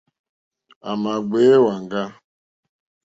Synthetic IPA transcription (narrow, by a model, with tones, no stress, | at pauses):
a˨ma˨ɡ͡be˦wa˨ŋ̩˨ɡa˦